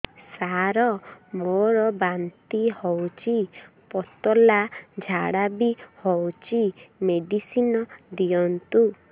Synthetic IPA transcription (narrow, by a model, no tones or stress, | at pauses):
saɾɔmoɾɔbant̪ihɔwt͡ʃʰi | pɔt̪ɔlad͡ʒʱaɽabihɔwt͡ʃʰimeɖisinɔd̪iɔnt̪u